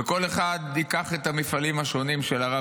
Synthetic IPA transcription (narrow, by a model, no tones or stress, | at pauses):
eko̞leχad̪ikaχe̞t̪amifalimhaʃo̞nimʃelaʁa